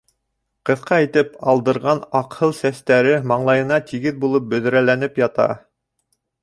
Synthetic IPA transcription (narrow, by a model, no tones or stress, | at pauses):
qɤ̆θqɑit̪ɘpɑlˠd̪ɤ̆ɾʁɑnɑqhɤlˠsæst̪æɾɘmɑɴlˠɑjɤ̆nɑt̪iɡɘðbulˠɤp̚bɵ̆ð̆ɾælænɘpjɑt̪ɑ̰